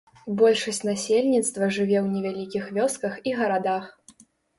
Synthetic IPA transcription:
bɔlʲʂɐsʲt͡sʲnasʲelʲnʲit̪st̪vɐʐɨvʲɛwnʲɛvʲalʲikʲixvʲɔskɐxiɣɐɾad̪ax

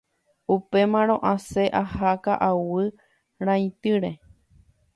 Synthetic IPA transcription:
upe̞mãɾ̃õ̞ʔãse̞ʔahakaʔawɨ | ɾ̃ãĩt̪ɨɾe̞

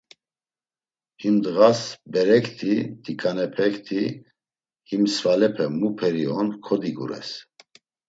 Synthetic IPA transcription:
himd̪əɣasbɛɾɛkʰt̪ʰit̪ikʼanɛpʰɛkt̪ʰi | himsvalɛpʰɛmupʰɛɾiɔnkʰɔd̪iɡṵɾɛ̰s

